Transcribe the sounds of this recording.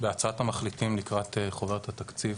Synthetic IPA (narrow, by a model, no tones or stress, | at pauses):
beat͡saat̪amaχlitimnikʁat̪eχoveʁt̪ʰat̪akt͡siv